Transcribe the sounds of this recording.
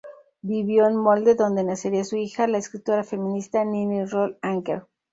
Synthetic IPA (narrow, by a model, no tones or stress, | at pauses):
biβjo̞enmold̪eðo̞nd̪e̞naseɾiasuixalaeskɾit̪oɾafe̞mĩnist̪aninirolaŋkḛɾ